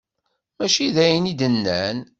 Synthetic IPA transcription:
mæʃiðæjənid̪ənːæn

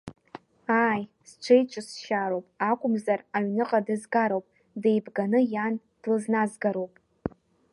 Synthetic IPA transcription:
aj | st͡ʃʷʰejt͡ʃʷʰʼɨsʃaɾowpʼakʷʼʊmzaraɥnɨqʼadɨzɡaɾowpʼ | dejbɡanɨjan | d̥lɨznazɡaɾowpʼ

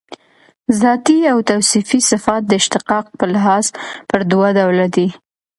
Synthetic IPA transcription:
zɑt̪iawt̪awsifisɪfɑt̪̚d̪əɪʃt̪ɪqɑq̚pəlɦɑzpəɾd̪wad̪awlad̪i

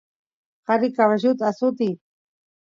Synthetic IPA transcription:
qɑɾɪkaβaʃʊt̪asʊt̪i

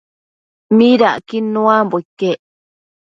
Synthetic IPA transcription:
miɾaʔkinũamboikːeʔ

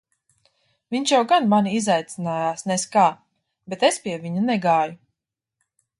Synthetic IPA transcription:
viɲʲʃjawɡanmaniizajt̪sinaːjaːsnɛskaː | bɛt̪espʲiɛvʲiɲunɛɡaːju

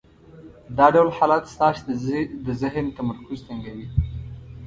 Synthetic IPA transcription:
d̪ɑɖawlħɑlɑt̪st̪ɑʃd̪əzɪɦnt̪amaɾkʊzt̪əŋɡawi

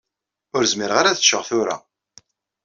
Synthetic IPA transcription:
ʊɾzmiɾʁaɾæθəʃəʁθʊɾa̰

